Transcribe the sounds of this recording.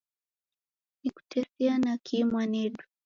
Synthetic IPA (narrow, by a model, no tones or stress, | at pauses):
niku̥tʰɛsianakʰimwanɛɗu̥